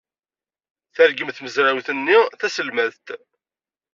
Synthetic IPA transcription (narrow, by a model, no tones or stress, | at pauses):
θəɾɡəmθməzɾawθənːiθæsəlmæðt̪